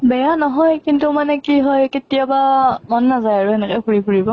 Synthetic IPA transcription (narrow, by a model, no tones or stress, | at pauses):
bɛjanɔɦɔjkintumanɛkiɦɔjketijabamɔnːazajaɹuɛnɛkɔpuɹipuɹibɔ